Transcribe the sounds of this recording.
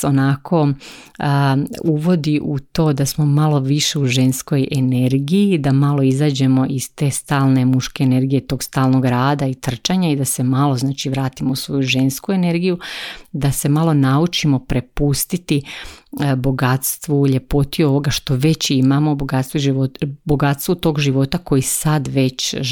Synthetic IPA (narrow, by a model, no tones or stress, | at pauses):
onakʰo̞ | uʋo̞d̪iʔut̪o̞ːd̪asmo̞malo̞ʋiʃe̞uʒe̞nsko̞je̞ne̞ɾɡijid̪amalo̞izaːd͡ʑe̞mo̞ʔiz̥t̪e̞ːst̪aːlˠne̞muʃkeːne̞ɾɡije̞t̪o̞ːɡst̪aːlˠno̞ɡɾaːd̪ait̪r̩t͡ʃaɲaid̪ase̞maloznaːt͡ʃiʋɾaːt̪imousʋo̞juʒe̞nskue̞ne̞ɾɡijud̪ase̞malo̞naut͡ʃimo̞pɾe̞pust̪it̪i | bo̞ɡat̪st̪ʋuʎe̞po̞t̪io̞ʋo̞ɡaʃt̪o̞ʋe̞t͡ɕimamo̞boɡat̪st̪ʋuʒioboɡat̪st̪ʋut̪o̞ːɡʒiʋo̞t̪ako̞jisad̪ʋe̞t͡ɕ